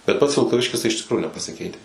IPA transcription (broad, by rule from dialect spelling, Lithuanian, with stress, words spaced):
bʲɛt ˈpɐts ʋʲɪlˠkɐˈʋʲɪʃʲkʲɪs tɐɪ ɪʃ tʲɪkˈruːjʊ nʲɛpɐsʲɪˈkʲɛɪtʲɛs